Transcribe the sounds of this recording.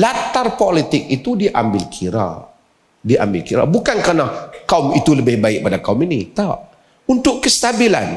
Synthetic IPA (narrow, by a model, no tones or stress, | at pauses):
lat̪arpolit̪ɪk̚it̪udiʔa̰mbɪlkʰiɾa̰ | diʔa̰mbɪlkiɾa̰bukankərnakaumit̪uləbɪhbaɪk̚padakauminit̪ɔʔ | unt̪ʊʔkəst̪abila̰n